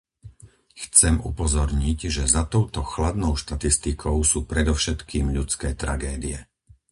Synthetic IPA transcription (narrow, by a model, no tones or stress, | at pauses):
xt͡sɛmṵpɔzɔɾɲiɟʒɛzat̪ɔʊt̪ɔxlad̪nɔʊʃt̪at̪ist̪ikʰɔʊsuːpɾɛd̪ɔʊʃɛt̪kiːmʎut͡skɛːt̪ɾa̰ɡɛːd̪iɛ